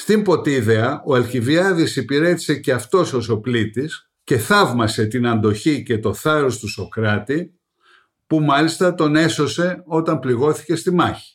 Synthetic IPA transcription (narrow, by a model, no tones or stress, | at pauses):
st̪impo̞t̪iðe̞ɐʔo̞elçiviɐðisipiɾe̞t̪i̥se̞ceɐft̪o̞so̞so̞plit̪is | ce̞θɐvmɐse̞t̪inɐnd̪o̞çice̞t̪o̞θɐɾo̞st̪uso̞kɾɐt̪i | pumɐlist̪ɐt̪o̞ne̞so̞se̞o̞t̪ɐmpliɣo̞θi̥ce̞st̪imɐçi̥